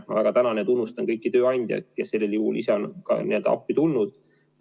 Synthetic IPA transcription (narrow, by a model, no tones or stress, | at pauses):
mɑ̰væ̰ɡ̥ɑt̪ænɑned̪unːust̪ɑnkɤjkːˑit̪øːɑnʲd̥̪ʲjɑ̰kesːe̞lːeljuhulʔiseo̞nkɑ̰nʔeld̪ɑ̰pːit̪ulnud̪̥